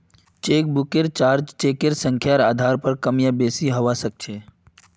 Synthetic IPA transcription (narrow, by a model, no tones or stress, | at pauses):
t͡ʃeːk̚bʊkeɾt͡ʃaːɾd͡ʒt͡ʃeːkeɾsə̃ŋkʰjaɾaːd̪ʱaːɾpəɾkəmjabeːsiɦɐʋasək̚t͡ʃʰeː